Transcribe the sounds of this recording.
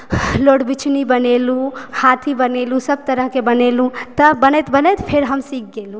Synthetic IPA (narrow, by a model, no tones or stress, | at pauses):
loɽbit͡ʃʰnibənelũhat̪ʰibənelũsəb̚t̪əɾəɦkebənelũt̪əbənɛt̪bənɛt̪pʰeɾɦəmsik̚ʰɡelũ